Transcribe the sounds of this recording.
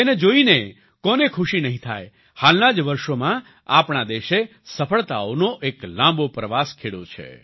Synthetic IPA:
ened͡ʒoine | kɔnekʰuʃinəɦĩt̪ʰa̰j | halnad͡ʒʋəɾʃomã | apɳad̪eʃe | səfʰəɭt̪a̰onoʔeklãmbopɾəʋaskʰeɽo̰t͡ʃʰḛ

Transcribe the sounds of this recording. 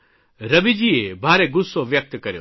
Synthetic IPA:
ɾɐbid͡ʒiebʱaːɾeɡʊsːoʋjək̚t̪kɐɾjo̰ː

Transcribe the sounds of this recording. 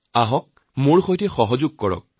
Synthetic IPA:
aɦɔk̚ | moɹxojtɛxɔɦɔzʊɡ̚kɔɹɔ̰k̚

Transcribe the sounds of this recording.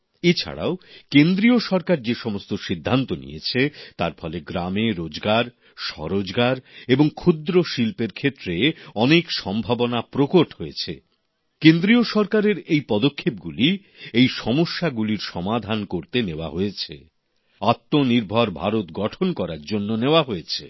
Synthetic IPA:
et͡ɕʰa̰ɽa̰okend̪ɾioʃɔɾkaɾd͡ʑeʃɔmost̪oʃid̪ʱːant̪onḭjet͡ɕʰet̪aɾfɔleɡɾameɾod͡ʑɡaɾ | ʃɔ̰ɾod͡ʑɡaɾeboŋkʰud̪ɾoʃilpeɾkʰet̪ːɾeɔnekʃɔmbʱabonapɾokoʈɦoet͡ɕʰḛ | kend̪ɾioʃɔɾkaɾeɾejpɔd̪okʰːep̚ɡuli | ejʃɔmoʃːaɡuliɾʃɔmad̪ʱankoɾt̪eneoa̰ɦojet͡ɕʰḛ | at̪ːoniɾbʱaɾbʱa̰ɾot̪ɡɔʈʰonkɔɾaɾd͡ʑonːoneoaɦoet͡ɕʰḛ

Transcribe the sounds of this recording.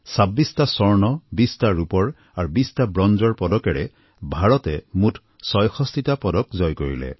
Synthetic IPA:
sabːistasɔɹnɔbistaɹupɔɹ | aɹubistabɹɔnd͡ʒɔɹpɔdɔkɛɹɛ | bʱaɹɔtɛmutʰ | sɔjxʰɔst̪itapɔdɔkzɔjkoɹḭlɛ̰

